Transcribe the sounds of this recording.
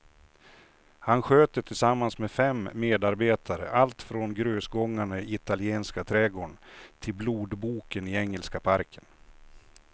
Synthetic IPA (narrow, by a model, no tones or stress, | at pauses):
hanɧøːt̪ət̪ʰɪlsamːansmɛfɛmːeːd̪aɾbeːt̪ʰaɾə̰ʔalt̪fɾɔnɡɾøːsɡɔŋːaɳaɪt̪alɪeːnskat̪ʰɾɛɡoːɳt̪ʰɪlbluːd̪buːkənɪɛŋːəlskapʰaɾkʰən